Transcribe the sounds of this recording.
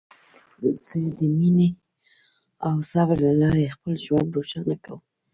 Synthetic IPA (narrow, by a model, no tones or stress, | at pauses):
sed̪əmine | awsabəɾlalɑɾexpəlʒwand̪ɾoʃanakawə